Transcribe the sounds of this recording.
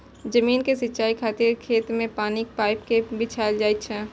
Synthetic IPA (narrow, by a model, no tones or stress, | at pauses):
d͡ʒɐmiːnkesɪtːʃaːikʰaːt̪ɪɾkʰeːt̪mẽpaːnik̚paːɪpkebɪt͡ʃʰaːld͡ʒaːɪtt͡ʃʰɛː